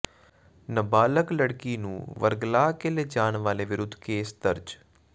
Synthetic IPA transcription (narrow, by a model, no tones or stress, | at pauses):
nəbaːləkləɽkiːnũːʋə̰ɾɡlaːkeleːd͡ʒaːɳʋaːleːʋɪɾʊd̪ʱːkeːsd̪əɾd͡ʒ